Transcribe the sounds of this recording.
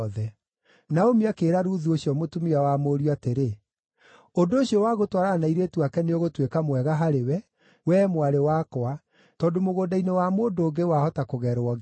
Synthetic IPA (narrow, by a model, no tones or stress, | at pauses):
ðɛ | naomiakeːɾaɾuðuoɕiɔmotumiawamoːɾiateɾe | ondooɕjɔwaɣotwaɾanaiɾetwakɛneoɣotwekamwɛɣaɦaɾewɛ | wɛːmwaɾewakɔa | tɔːndomoɣoːdainewamoːdoːɡewahɔtakoɣɛɾoɔ